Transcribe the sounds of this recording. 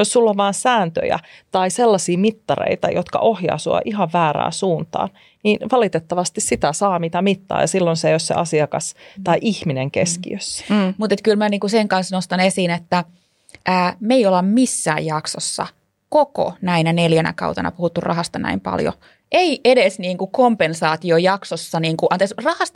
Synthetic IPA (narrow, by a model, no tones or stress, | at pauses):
jossulːoʋʋɑːnsæːnt̪ø̰jæ̰t̪ɑiselːɑsiːmit̪ːɑrḛit̪ɑjot̪kɑ̰ʔohjɑ̰usuɑ̰ʔihɑʋʋæːræ̰ːnsuːnt̪ɑ̰ːn | niːnʋɑlit̪et̪ːɑʋɑst̪issit̪æsɑːmit̪æmit̪ːɑ̰ːjɑsilːonsejossḛʔɑsiɑkɑst̪ɑiʔihmineŋkeskḭøsːmut̪et̪kylmæniːŋkuseŋkɑnsnost̪ɑnesiːnet̪ːæ | ʔæːmeiolɑmmisːæ̰ːjjɑkso̰sːɑ̰ | koko̰næinæneljænæ̰kɑ̰uwt̪ɑnɑ̰puhut̪ːurɑ̰hɑst̪ɑnæ̰impɑ̰ljo̰ | ʔeiʔedesniːŋkukompensɑːt̪iojɑksosːɑniːŋkuʔɑnt̪eksrɑhɑst̪